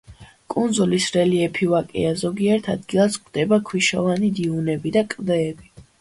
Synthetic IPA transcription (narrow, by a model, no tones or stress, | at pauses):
kʼund̪zulisɾɛliɛpʰivakʼɛ̰azɔɡiɛɾt̪ʰad̪̚ɡilˠaskʰd̪̥ɛbakʰwiʃɔvanid̪iunɛbid̪akʼd̪ɛːbi